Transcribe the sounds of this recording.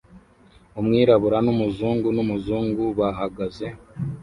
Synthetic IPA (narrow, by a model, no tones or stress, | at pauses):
umŋiːɾaβuɾanumuzuːŋɡunumuzuːŋɡuβaɦaɡaze̞